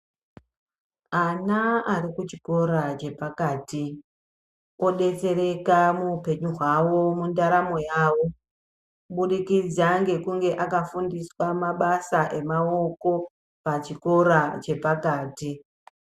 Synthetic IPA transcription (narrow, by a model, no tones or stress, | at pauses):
anaaɾikut͡ʃi̥ko̞ɾat͡ʃe̞pakaːti | o̞ɗe̞t͡se̞ɾe̞kamuupe̞ɲuɦwawo̞mundaɾamo̞jaːwo̞ | ɓuɗikid͡zaŋɡe̞kuŋɡe̞ʔakafundiswamaɓasaʔe̞mao̞ko̞ | pat͡ʃiko̞ɾat͡ʃe̞pakaːti